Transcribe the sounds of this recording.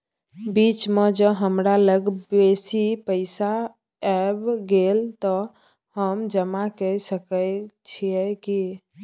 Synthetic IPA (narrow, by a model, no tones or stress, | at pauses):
bit͡ʃmed͡ʒəɦəmɾaləɡbesipəɪsa | ɛbɡelt̪ɔ | həmd͡ʒəmakəsəkət͡ʃʰiɛki